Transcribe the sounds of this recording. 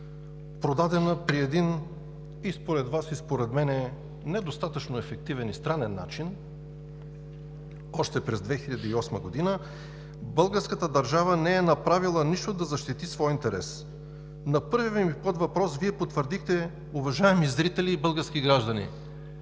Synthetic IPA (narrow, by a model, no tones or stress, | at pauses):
pɾod̪ad̪ɛnəpɾiɛd̪in | ispoɾɛd̪vasispoɾɛd̪mɛnɛ | nɛd̪ost̪at̪ət͡ʃnoɛfɛk̚t̪ivɛnist̪ɾanɛnːa̰t͡ʃin | ɔʃt̪ɛpɾɛzd̪vɛxiʎɐd̪iːɔsməɡod̪inə | bɤlˠɡəɾskət̪əd̪ɐɾʒavənɛɛnɐpɾavilˠəniʃt̪od̪ɐzɐʃt̪it̪isvɔjint̪ɛɾɛ̰s | nɐpɤɾvivmipɤt̪vɐpɾɔsviɛpot̪vəɾd̪ixt̪ɛ | uvɐʒaɛmizɾit̪ɛliːbɤlˠɡəɾsk̟iɡɾaʒd̪ɐnḭ